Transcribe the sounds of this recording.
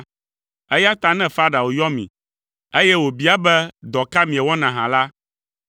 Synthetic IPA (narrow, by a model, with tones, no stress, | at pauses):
e˦ja˦t̪a˦nɛ̃˦fa˦ɖa˨wo˨jɔ˦mḭ̃˨ | e˦jɛ˦wo˨bi˦a˦bɛ˦d̪ɔ˨ka˦mĩ˨ɛ˨wɔ˦nã˨ɦã˨la˦